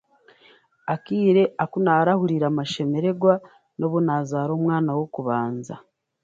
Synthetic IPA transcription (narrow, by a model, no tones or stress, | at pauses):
akiːɾe̞akunaɾahuɾiɾamaʃe̞me̞ɾe̞ɡwa | no̞βunaːzaːɾoːmwŋaːnawokuβaːnza̰